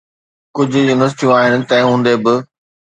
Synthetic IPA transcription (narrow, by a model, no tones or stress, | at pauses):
kʊd͡ʑʱʊjunɐsʈ̪ʰjũaːɦɪnɪ̆t̪ɛ̃ːɦũːn̆d̪ebɪ